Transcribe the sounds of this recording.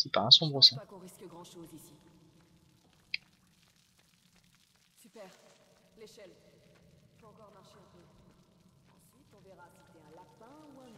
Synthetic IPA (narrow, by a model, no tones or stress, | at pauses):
sipaɛ̃sɔ̃bʁəsɛ̃kɔ̃ʁiskəɡʁɑ̃ʃozisi | sypɛʁ | leʃɛl | pɑ̃kɔʁmaʁʃetø | ɑ̃sɥit̪ɔ̃veʁasi̥t̪ɛɛ̃lapɛ̃uɛ̃